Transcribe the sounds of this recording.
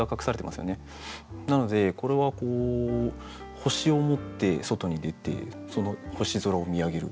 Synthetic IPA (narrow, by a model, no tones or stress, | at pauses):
akakɯ̥saɾet̪e̞masɨjo̞̰ne̞ | nano̞d̪e̞ko̞ɾe̞βako̞ː | ho̞ɕio̞mo̞t̪ːe̞so̞t̪o̞ɲ̟id̪e̞t̪e̞̰ | so̞no̞ho̞ɕizo̞ɾaomʲiaɡe̞ɾɯ̟̰